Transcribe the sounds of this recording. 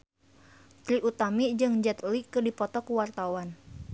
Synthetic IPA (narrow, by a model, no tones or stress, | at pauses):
t̪ɾiʔut̪amiʔd͡ʒɨŋd͡ʒɛt̪likɨrdipɔt̪ɔkuwart̪awan